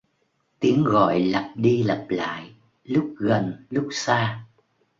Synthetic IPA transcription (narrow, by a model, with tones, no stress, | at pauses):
t̪i˨˦əŋɣɔ̰˧˨jlə˨˩p̚ɗi˧lə˨˩p̚la̰ː˧˨j | lʊ˦˥k͡p̚ɣə˨˩nlʊ˦˥k͡p̚saː˧